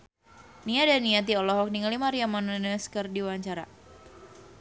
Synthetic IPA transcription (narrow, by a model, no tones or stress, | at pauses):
nijadanːiat̪̬iɔlɔɦɔk̚niŋlimaɾiamanənəskərdiwaɲt͡ʃaɾa̰